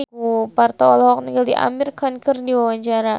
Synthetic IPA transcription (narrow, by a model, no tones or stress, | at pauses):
upart̪aɔlhɔk̚niŋɡaldiʔa̰mirkankərdiwawaɲt͡ʃaɾa